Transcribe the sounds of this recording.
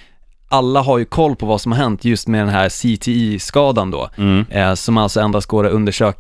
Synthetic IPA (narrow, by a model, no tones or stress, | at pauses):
ʔalːaɦaɾjɵkʰɔlːpʰɔvasɔmhaɾɦɛnt̪ʰjɵst̪mɛd̪ɛnɦæːɾsit̪ʰɪiːskɑːd̪and̪ɔ̰ː | sɔmalt̪sɔɛnd̪ɾasɡoːɾaɵnd̪əʂøːk